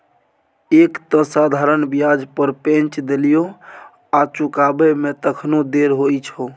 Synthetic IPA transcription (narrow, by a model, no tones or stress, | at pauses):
ekt̪ə̃sad̪ʱaɾənbijad͡ʒpəɾpẽnt͡ʃd̪elijo | at͡ʃukabemet̪əkʰnod̪eɾɦoit͡ʃʰo